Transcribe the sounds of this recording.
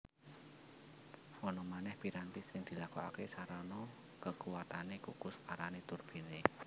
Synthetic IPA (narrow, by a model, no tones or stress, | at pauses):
wɔnɔmanɛhpiɾant̪isɪŋd̪̥i̤lakua̰kesaɾanɔ | kəkuwat̪anekukuskaɾanet̪urb̥i̤ne